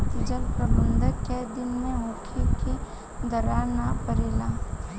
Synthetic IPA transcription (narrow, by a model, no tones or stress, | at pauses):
t̪d͡ʒəlpɾəbənd̪ʱəked̪ɪnmẽõːkʰiki | d̪əɾanapəɾilaː